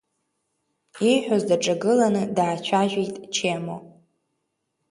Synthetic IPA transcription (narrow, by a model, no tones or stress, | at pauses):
ejħᶣazdaʈ͡ʂʼaɡɨlanɨdaːt͡ʃʷʰaʒʷᶣijtʼt͡ʃʰemo̰